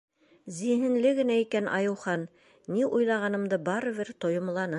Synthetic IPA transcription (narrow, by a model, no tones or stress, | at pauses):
ziɦɘ̆nlɘɡɘ̆næikænʔɑ̰jɤ̆wχɑnː | iʔujlˠɑʁɑnɤ̆md̪ɤbɑɾɤ̆βɘɾt̪ŏjŏmlˠɑnɤ